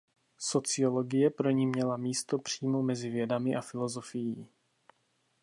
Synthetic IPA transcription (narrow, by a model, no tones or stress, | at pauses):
so̞t͡sɪo̞lo̞ɡɪjɛpɾo̞ɲimɲɛlamiːst̪o̞pr̝̥iːmomɛzɪvjɛdamɪʔafɪlo̞zo̞fɪjiː